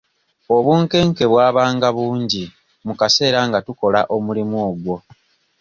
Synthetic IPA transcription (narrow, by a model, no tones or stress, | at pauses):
o̞βuːŋke̞ːŋke̞βwaːβaːŋɡaβuːɲɟi | mukase̞ːɾaŋɡatuko̞laʔo̞mulimuoːɡwo̞